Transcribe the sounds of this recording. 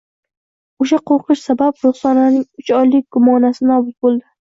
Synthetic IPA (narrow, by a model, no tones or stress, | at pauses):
oʃaqʰoɾqɨʃsabapɾʊχsɒnanɪŋʊt͡ʃɒjlɪk̚ʲɡ̥ʊmɒnasɪnɒbʊt̪̚bolˠd̪ɪ